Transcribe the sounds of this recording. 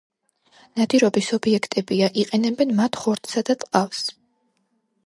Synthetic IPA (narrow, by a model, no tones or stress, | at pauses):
nad̪iɾɔbisɔbiɛkʰt̪ʼɛbiaʔiqʼɛnɛbɛnmat̪ʰχɔɾt̪ʰsad̪at̪ʼqʼafs